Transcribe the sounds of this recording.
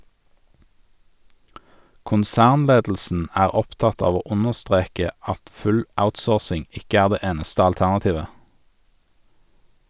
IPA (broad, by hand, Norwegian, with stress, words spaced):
kʊnˈsæːʁnˌleːdl̩sn̩ ˈæːʁ ˈɔpˌtɑt ˈɑːʋ ˈoː ˈʊnəʁˌstʁeːkə ˈɑt ˈfʉl ˈaʊtˌsoːʁsɪŋ ˈɪkə ˈæːʁ ˈdeː ˈeːnəstə ɑlˈtæʁnɑˌtiːʋə